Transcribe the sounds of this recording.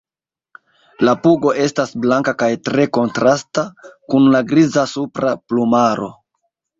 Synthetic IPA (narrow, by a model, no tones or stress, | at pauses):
lapuɡo̞ʔe̞stasblaŋkakajtɾe̞ko̞ntɾastakunlaɡɾizasupɾaplumaɾo̞̰